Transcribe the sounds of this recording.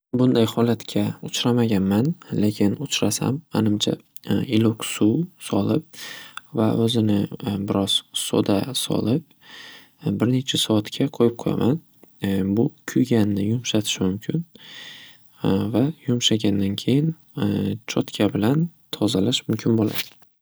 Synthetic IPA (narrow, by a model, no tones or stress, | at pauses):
bʊnd̪ajhɒlat̪kʲʰaʊt͡ʃɾamaɡʲanmanle̞kʲʰɪnʊt͡ʃɾasa̰mːa̰nɪmt͡ʃʰa̰ | ɪloksusɒlɪp̚va̰ʔɵzɪnɪbɪɾɒz̥so̰d̪asɒ̰lɪp̚ | bɪɾne̞t͡ʃʰasɒat̪kʲʰaqʰojɪp̚qʰoja̰man | bʊkʲʰʊjɡʲanːɪjʊmʃat̪ʰɪ̥ʃɪmʊmkʲʰɪn | vajʊmʃaɡʲand̪ankʲʰe̞jɪn | t͡ʃʰɒt̪kʲʰabɪlant̪ʰɒzalaʃmʊmkʲʰɪnbola̰d̪̥ɪ